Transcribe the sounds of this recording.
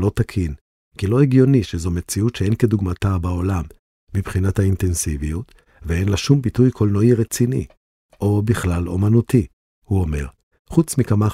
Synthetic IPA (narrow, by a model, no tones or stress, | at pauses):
lo̞t̪akʰin | kilo̞eɡjo̞niʃezo̞me̞t͡siutʃee̞nke̞d̪uɡmatabao̞lamː | ibχinathaint̪ensivijut̪ | vee̞nlaʃumbitujkʰolnoiʁet͡sinḭ | ʔo̞biχlalo̰manut̪ʰi | huo̞me̞̰ʁ | χut͡smikama